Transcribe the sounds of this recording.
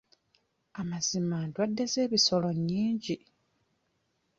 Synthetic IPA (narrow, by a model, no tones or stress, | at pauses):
amazimandwadːe̞ze̞ːβiso̞lo̞ɲːiːɲɟi